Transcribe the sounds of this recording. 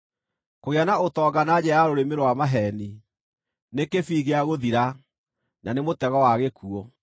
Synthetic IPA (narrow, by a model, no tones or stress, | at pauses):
koɣeanaotɔːɡanad͡ʑɛaɾoɾemeɾowamaɦɛni | nekefiːɣeaɣoðiɾa | nanemotɛɣɔwaɣekʰuɔ